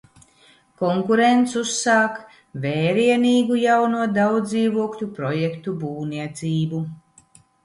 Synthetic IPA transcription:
kɔŋkuɾent̪susːaːk | veːɾiɛniːɡujawnuɔd̪awd̪ziːvuɔklʲupɾɔjekt̪ubuːniɛt̪siːbu

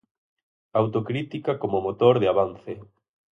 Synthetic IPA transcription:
awt̪okɾit̪ikakomomot̪oɾðɪaβan̟θe

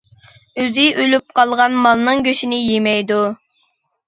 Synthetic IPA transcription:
øzɪʔølyp̚qʰɑlˠʁɑnmɑlˠnɨŋɡʲøʃinɪjemɛjd̪u

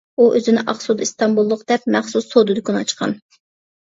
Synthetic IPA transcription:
uʔøzɪnɪʔɑχsod̪ist̪ɑmbulˠːʊqd̪̥ɛp̚mæχsusːod̪ɨd̪ɨkʰʲonɑt͡ʃqʰɑ̰n

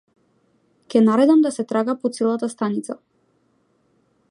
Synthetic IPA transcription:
kʲɛnaɾɛd̪amd̪asɛt̪ɾaɡapɔt̪sɛlˠat̪ast̪anit̪sa

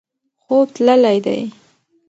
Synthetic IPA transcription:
xob̚t̪ləlajd̪a̰j

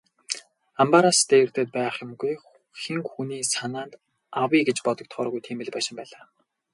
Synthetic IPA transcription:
ampaɾast̪ʰĕ̥t̪eːt̪̚pæːχjʊ̆mɡuj | xiŋxuniːsanaːnt̪ | awiːɡet͡ɕpɔt̪ɞ̆k̚t̪χɔːɾɣujt̪ʰiːmɘ̆ɮpæːʃɪ̆mpæːɮaː

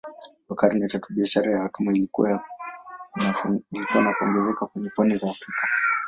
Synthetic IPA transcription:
wakaɾinatatuɓiaʃaɾajawatumai | ilikuwanakuɔŋɡɛzɛkakwɛɲɛpɔnizaːfɾikḁ

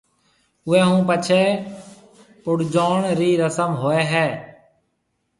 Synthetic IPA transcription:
ʊẽːɦũːpət͡ʃʰeː | pʊɽd͡ʒoːɳɾiːɾəsəmɦoːeːɦɛː

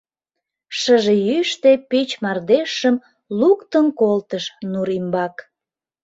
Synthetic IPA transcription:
ʃəʒejyʃt̪epit͡ɕmɑrd̪eʃəm | lukt̪ənkolt̪əʃnuɾimbɑk

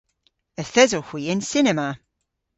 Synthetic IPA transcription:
əθɛzɔhw̥iːɪnsɪnɛma

